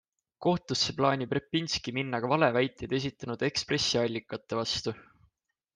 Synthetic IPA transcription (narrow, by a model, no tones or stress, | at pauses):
ko̞ht̪usːeplɑːnʲiprepːinskiminːɑɡ̥ɑvɑle̞væjt̪ˑːejd̪̥e̞s̬ʲit̪ˑːɑnud̪̥e̞kspre̞sːiɑlʲːikːˑɑt̪ːe̞vɑst̪u